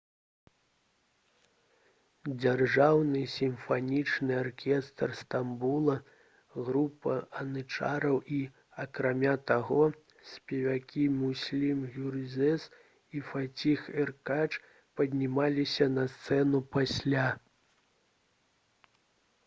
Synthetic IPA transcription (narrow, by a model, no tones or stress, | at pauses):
d͡zʲarʐawnɨsʲimfanʲit͡ʂnɨarkʲɛst̪rst̪ambulˠɐ | ɣɾupɐɐnɨt͡ʂa̰ɾɐwʔi | ɐkɾamʲat̪aɣɔ | sʲpʲɛvʲakʲimusʲlʲimjʲurzʲɛs | ifat͡sʲixɛrkat͡ʂ | pɐd̪ʲnʲimalʲisʲɐnɐst̪sɛnupasʲlʲa